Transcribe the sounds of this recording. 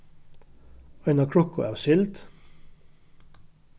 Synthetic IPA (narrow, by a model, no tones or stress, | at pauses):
ɑɪnɑkʰɽɔkʊ̰ʔæːʁsɪlt̪